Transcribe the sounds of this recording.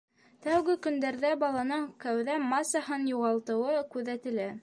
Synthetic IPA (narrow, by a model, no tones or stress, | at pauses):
t̪æwɡɘkɵ̆nd̪æɾðæbɑlˠɑnɤɴkæwðæmɑsɑɦɤnjuʁɑlˠt̪ɤ̆wɤkʉðæt̪ɘ̆læ